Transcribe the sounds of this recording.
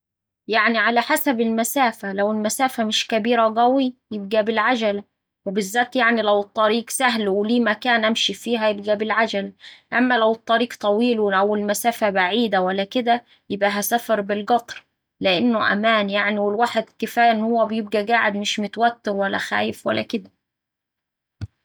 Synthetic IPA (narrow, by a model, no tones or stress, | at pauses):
jaʕniʕalæħasæbɪlmæsæːfælæwɪlmæsæːfæmɪʃkæbiːɾæɡæwijɪb̚ɡæbɪlʕad͡ʒælæ | webɪzːæːt̪jaʕnilæwɨt̪ˤːɑɾiːɡsæɦlwɪliːmækæːnʔæmʃifiːɦæjɪb̚ɡæbɪlʕad͡ʒælæʔæmːælæwɪt̪ˤːɑɾiːqt̪ˤɑwiːlwɪæwɪlmæsæːfæbaʕiːd̪æwælːækɪd̪æ | jɪbʔæɦæsæfɑɾˤbɪlɡɑt̪ˤɾ | lɪʔɪnːʊʔæ̰mæːnjaʕniwɪlwaːħed̪kɪfæːjɪnːhowːæbɪjɪb̚ɡæɡaːʕɪd̪mɪʃmʊt̪wæt̪ːɪɾwælːæ̰xæ̰ːjɪfwæ̰lːæ̰kɪd̪æ